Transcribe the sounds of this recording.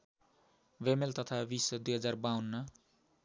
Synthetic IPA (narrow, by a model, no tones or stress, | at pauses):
wemelt̪ʌt̪ʰabisʌd̪ujɦʌd͡zarbawnːʌ